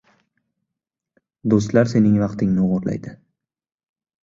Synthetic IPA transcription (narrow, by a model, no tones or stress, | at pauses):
d̪os̬t̪laɾse̞nɪŋvɑqt̪ʰɪŋnɪʊʁʊɾla̰jd̪ɪ